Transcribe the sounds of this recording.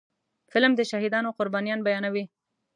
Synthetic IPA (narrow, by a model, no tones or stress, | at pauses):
fɪlmd̪əʃahɪd̪ɑnoqʊɾbɑnijɑnbajɑnawi